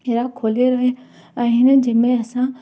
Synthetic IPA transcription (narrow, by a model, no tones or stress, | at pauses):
eːɾakʰoːleɾɐɦe | əɦɪnəd͡ʒɐmẽɐsã